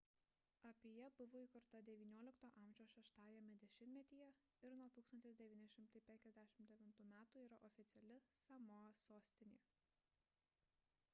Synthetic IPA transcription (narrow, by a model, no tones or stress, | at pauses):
ɐpʲeːjɛbʊʋoːiːkʊɾt̪ɐd̪ʲɛʋʲiːnʲoɔlʲɪkt̪oːʔɐmʲʒʲoːʃʲɛːʃt̪ɑːjɛmʲɛd̪ʲɛʃʲɪnʲmʲɛt̪ʲiːjɛ | ɪɾnuɔt̪uːksɐnʲt̪ʲɪsd̪ʲɛʋʲiːnʲɪʃʲɪmt̪ɐɪpʲɛŋʲkʲɛzʲd̪ʲæʃʲɪmt̪d̪ʲɛʋʲɪnt̪uːmʲæːt̪uːiːɾɐʔɔfʲɪt̪sʲɛlʲɪsɑmoːsoːsʲt̪ʲɪnʲḛː